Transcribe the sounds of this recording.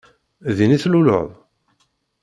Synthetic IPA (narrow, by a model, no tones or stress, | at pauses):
ðiniθlulə̰ðˤ